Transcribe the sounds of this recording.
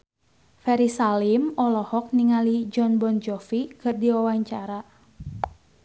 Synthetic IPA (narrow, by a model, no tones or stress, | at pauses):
fɛɾisalimɔlɔhɔk̚niŋalid͡ʒɔnbɔnd͡ʒɔfikɨrdiwawaɲt͡ʃaɾa